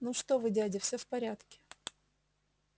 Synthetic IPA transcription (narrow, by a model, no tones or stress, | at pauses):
nuʂt̪ovɨdʲadʲɪfsʲofpɐɾʲat̪kʲɪ̥